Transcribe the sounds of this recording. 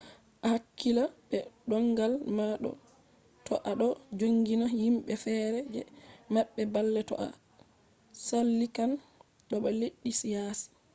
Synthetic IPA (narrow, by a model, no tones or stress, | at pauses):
ʔahakːilaɓɛɗɔŋɡalmaɗɔ̰ | tɔʔaɗɔd͡ʒoŋɡinahimɓɛfɛːɾɛd͡ʒɛ̰maɓːɛbalːɛtɔ̰ʔa̰ | salːikan | ɗɔɓɛleɗːisijasi̥